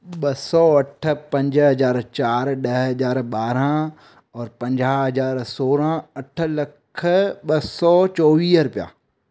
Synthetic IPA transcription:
ɓɐsɔɐʈʰpɐ̃ɲd͡ʒɦɐzaːɾt͡ʃaːɾɗəɦɦɐzaːɾɓaːɾã | ɔːɾpɐ̃ɲd͡ʒaːɦɐzaːɾsoːɾãɐʈʰlɐkʰɓɐsɔt͡ʃɔːʋiːsɾʊpija̰ː

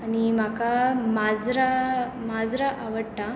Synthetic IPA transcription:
animakamad͡zɾa | mad͡zɾaʔaʋəɽʈa

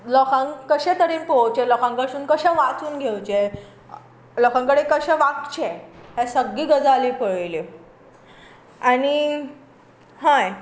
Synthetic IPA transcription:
lɔkãŋkəɕẽt̪əɾiːnpɔwt͡ɕelɔkãŋkəɕuːnkəɕɛ̃ʋat͡suːnɡʱewt͡ɕe | lɔkãŋkəɽekəɕɛ̃ʋakt͡ɕeɦɛ̃səɡːiːɡəd͡zalipəɭli | aɽi | ɦãj

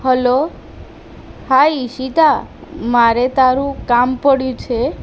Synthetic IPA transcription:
həlo | haiʃit̪amaɾet̪aɾũkampəɽjũt͡ʃʰe

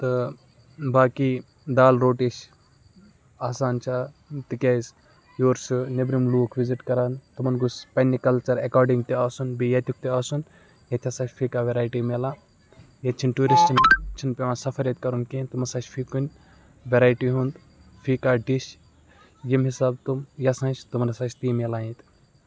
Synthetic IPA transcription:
t̪ɨ | baːkiː | d̪aːlɾoːʈiʃ | aːsaːnt͡ʃʰa | t̪ikʲɐjz | joːɾsɨnebɾimluːkʰʋiziʈkɐɾaːnt̪ɨmɐnɡuspɐnːikɐlt͡ʃɐɾɐkaːɾɖiŋɡ̚t̪iaːsunbijɐt̪ʲʰuk̚t̪iaːsun | jɐt̪ʰʲɐsaːt͡ʃpʰikaːʋeɾaːjʈiːmelãː | jɐt̪̚t͡ʃʰinʈuːɾist͡ʃint͡ʃʰinpʲeʋãːnsɐfʰɐɾjɐt̪̚ʲkɐɾunkent̪umɐsaːt͡ʃfʰikunʲ | ʋeɾaːjʈiɦund̪ | fʰikaːɖiʃ | jimɦisaːbt̪umjɐsãːnt͡ʃʰt̪umɐnɐsaːt͡ʃʰt̪iːmelaːjĩt̪

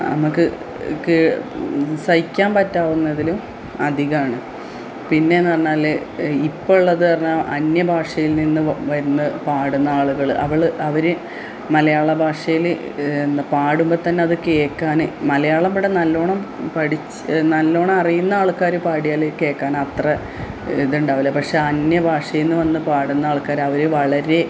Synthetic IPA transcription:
nɐ̰mukːɨ | kɨ | sɐjikʲːaːmpɐtːaːʋunːɐðilum | ɐd̪ʱiɣɐmaːɳɨ | pinːe̞nːɨɐrnːaːlː | ipːoɭːɐðɨpɐrɐɲːamʔɐnjɐbʱaːʂɐjilninːɨʋɐɾunːɐpaːɽunːɐaːɭuɣɐɭɨʔɐ̰ʋiɭɨʔɐʋɐɾe | mɐlɐjaːɭɐbʱaːʂɐjilnːpaːɽumbɐt̪ɐnːe̞ɐðɨkeːkːaːnɨmɐlɐjaːɭɐmɽenɐlːo̞ːɳɐmpɐɽit͡ɕː | nɐlːo̞ːɳɐmɐrijunːɐaːɭukːaːɾupaːɽijaːlekːe̞ːkːaːnɐt̪rɐ | iðuɳɖaːʋilːɐpɐkʂe̞ːɐnjɐbʱaːʂɐjinːɨʋɐnːɨpaːɽunːɐaːɭukːaːɾɐʋɐɾɨʋɐɭɐɾe̞

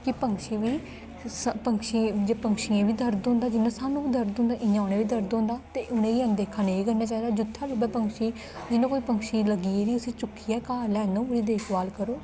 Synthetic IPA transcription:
kɪpəŋkʃiːʋiː | spəŋkʃĩd͡ʒeːpəŋkʃijãːʋiːd̪əɾd̪õːnd̪aːd͡ʒɪnãːsaːnũːiːd̪əɾd̪õːnd̪aːʔɪ̃ãːʊnẽːʋiːd̪əɾd̪õːnd̪aːt̪eːʔʊnẽːiːə̃nd̪eːkʰaːneːɡənːaːt͡ʃaːɦiːd̪aːd͡ʒʊt̪ʰːaːlubɛːpəŋkʃiː | d͡ʒɪnːõːkoːiːpəŋkʃiːləɡiːeːɾiːʊsĩːt͡ʃʊkʰːiːɛːkaːlɛːnõːəɽiːd̪eːkʰbaːlkəɾoː

